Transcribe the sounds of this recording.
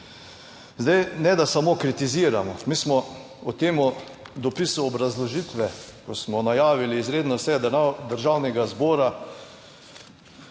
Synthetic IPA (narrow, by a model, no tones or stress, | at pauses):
zd̪ajnɛd̪asamokɾit̪iziːɾamɔmiːsmɔ | ut̪eːmʊ | d̪ɔpisuɔbɾazlɔʒit̪ʋɛkɔsmɔnajaːʋiliːzɾeːd̪nɔsɛd̪əɾʒawnɛɡazbɔːɾa